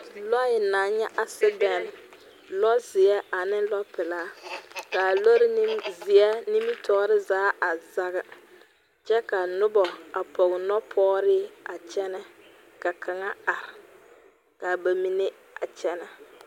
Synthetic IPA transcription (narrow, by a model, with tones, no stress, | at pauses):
lɔ˦jɪ˨naː˨˦ɲɛ˦ʔa˨sɪ˦bɛ˨n˨ | lɔ˦zɪ˨ɛ˦a˨nɪ˦lɔ˦pɪ˨laː˦ka˨lo˦ɾɪ˦ni˦mzɪ˨a˦ni˦mi˦tʰɔː˦ɾɪ˦zaː˨˦ʔa˨za˦ɣɨ˨ | t͡ʃɛ˦ka˨nʊ˦bɔ˨a˨pɔ˨ɣɪ˨nɔ˦pʰɔː˦ɾɪ˦a˨t͡ʃɛ˦nɛ˦ | ka˨kʰa˨ŋa˦a˨ɾɪ˨ | ka˨ba˨mi˦ne˦ | a˨t͡ʃɛ˦nɛ˨